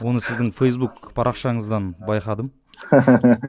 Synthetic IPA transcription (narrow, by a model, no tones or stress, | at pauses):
wo̞nəsɪzd̪ɪŋfejs̬bukpʰɑɾʔɑqʃɑɴəzd̪ɑnbɑjqɑd̪əm